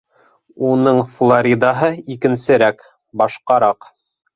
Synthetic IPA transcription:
unɤɴflˠoɾʲid̪ɑɦɤikɘ̆nsɘ̆ɾæk | bɑʃqɑɾɑq

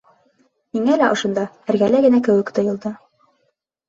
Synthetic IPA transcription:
miŋælæʔŏʃŏnd̪ɑ | æɾɡælæɡɘ̆nækɘ̆wɘkt̪ŏjɤ̆lˠd̪ɤ

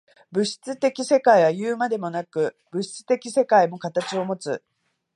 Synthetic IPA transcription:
bɯ̟ɕi̥t͡sɨt̪e̞kʲise̞kaiβ̞ajɯːmad̪e̞mo̞nakɯ̟ | bɯ̟ɕi̥t͡sɨ̥t̪e̞kʲise̞kaimo̞kat̪at͡ɕio̞mo̞t͡sɨ

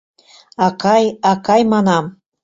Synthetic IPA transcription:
ɑkɑjɑkɑjmɑnɑm

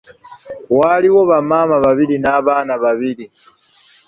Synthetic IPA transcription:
waliwo̞βamaːmaβaβilinaːβaːnaβaβili

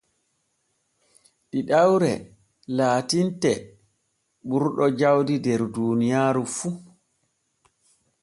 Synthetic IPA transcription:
ɗiɗawɾɛ̰ | laːtintɛ | ɓuɾɗɔd͡ʒawdidɛɾduːnijaːɾufu

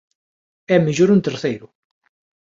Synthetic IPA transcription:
æməʒuɾunt̪əɾˤθæjɾu

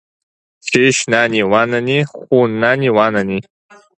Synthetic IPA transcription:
ʃʰeʃnaniwananiχʷunːaniwanani

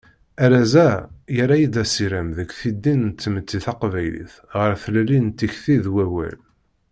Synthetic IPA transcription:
æɾæzæjəɾajid̪æsiɾæmðəkʷθid̪ːint͡s̪ːmət͡sːiθɑqvæjlḭθ | ʁəɾθlælint̪ːiçθiðwæwæ̰l

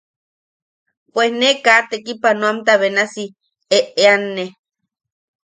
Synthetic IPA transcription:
pwesnekaʔt̪ekipanõamt̪aβenasi | eʔeanːe

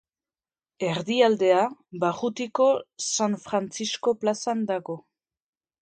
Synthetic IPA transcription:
e̞ɾðiald̪e̞abaɣut̪iko̞sanfɾant͡sisko̞plasand̪aɣo̞

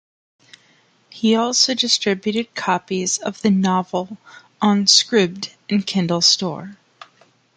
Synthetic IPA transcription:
hiɔlˠsoʊdɨstɹ̥ɪbjʉɾɨd̚kʰɑpizʌvðɨnɑvl̩ˠ | ə̃nskɹʉb̚d | ɨ̃n̩kʰɪ̃ndˡl̩ˠstɔ̰ɹ

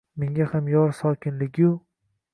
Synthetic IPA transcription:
meŋʲahamjɒɾsɒkʲʰɪnlɪɡʲjʊ

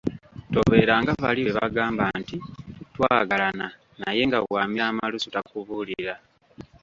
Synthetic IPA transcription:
to̞βe̞ːɾaŋɡaβa̰liβeβaɡaːmbantitwaːɡalana | naje̞ŋɡaβwaːmiɾaːmalusutakuβuːlḭɾa

